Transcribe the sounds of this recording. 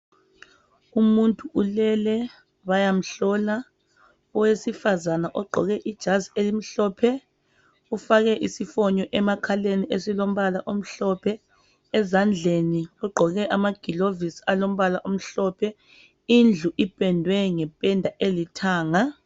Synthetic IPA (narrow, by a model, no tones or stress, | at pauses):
umuntʼuʔulɛlɛ | βajam̩ɬɔla | ɔwesifazanaʔɔɡ͡ǃʱɔɣɛʔid̥ʒ̥ʱazelim̩ɬɔːpʰɛ | ufaɣɛʔisifɔɲɔʔɛmakʰaleniʔesilom̩βalaʔom̩ɬɔpʰɛ | ɛzand͡ɮʱeniɔɡ͡ǃʱɔɣɛʔamaɡ̥ʱilovisalom̩βalaʔom̩ɬɔpʰɛ | ind͡ɮʱuʔipʼɛndʱwɛŋɛpʼɛndʱaʔelitʰaːŋa